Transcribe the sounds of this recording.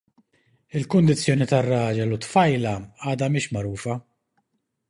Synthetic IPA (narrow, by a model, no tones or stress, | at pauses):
ɪlkʊnd̪ɪt͡sːjɔːnit̪ɐrːɐːd͡ʒɐlut̪fɐjlɐɐːd̪ɐmɪːʃmɐɾuːfɐ